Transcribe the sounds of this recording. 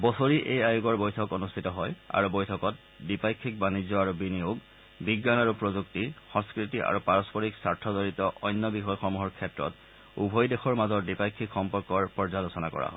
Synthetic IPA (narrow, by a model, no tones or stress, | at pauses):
bɔsoɹiʔejajuɡɔɹbojtʰɔkonustʰitɔɦɔja̰ɹubɔjtʰɔkɔt̚ | dipajkʰːik̚banizɔaɹubinijoɡ | biɡːanaɹupɹozuk̚tixɔ̃ŋskɹitiʔa̰ɹupaɹɔspɔɹiksaɹtʰɔzoɹitɔʔɔjnːɔbixɔjxɔmuɦɔɹkʰɛtɹɔ̰t | ubʱɔjdexɔɹmazɔtdipajkʰːikxɔmpɔɹkɔɹpɔɹzalosɔnakɔ̰ɹa̰ɦɔ̰j